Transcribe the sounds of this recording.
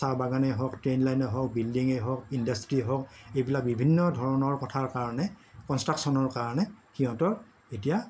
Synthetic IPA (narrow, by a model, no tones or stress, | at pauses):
saɹbaɡanɛɦɔktɹenlajnɔɦɔk̚bildiŋejɦɔkindastɹiɦɔkejbilak̚bibʱinːɔdʱɔɹɔnɔɹkɔtʰaɹkaɹɔnɛkɔnstɹaksɔnɔɹkaɹanɛxiɦɔ̃tɔɹ | etija